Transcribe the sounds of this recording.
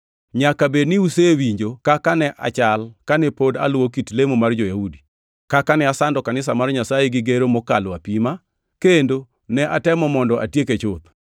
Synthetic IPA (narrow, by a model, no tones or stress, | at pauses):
ɲakabednɪusewiɲd͡ʒokakanɛʔa̰t͡ʃalkanɛpoda̰lwokitlemomard͡ʒojahudi | kakanɛasandɔkanɪsamarɲasajeɡɪɡeɾomɔkalwapima | kendo | nɛʔatɛmɔmɔndɔʔatjeket͡ʃʊt̪